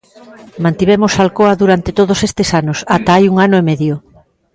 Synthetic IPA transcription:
mãnt̪iβ̞emosalkoɐðuɾant̪et̪oð̞osest̪esanosat̪aajuŋanʊemeðjo

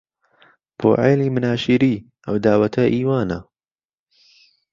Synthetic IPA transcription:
b̥o̰ːʕeːliːmɨnaːʃiːɾiː | ʔɐwd̪aːwɐt̪ʰɐʔiːwaːnɐ̰

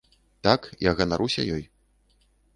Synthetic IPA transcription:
t̪akjaɣɐnaɾusʲɐ̰jɔj

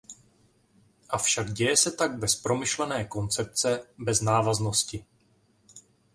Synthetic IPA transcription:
ʔafʃaɡɟɛjɛsɛt̪aɡ̚bɛspɾo̞mɪʃlɛnɛːko̞nt͡sɛp̚t͡sɛbɛznaːvazno̞scɪ

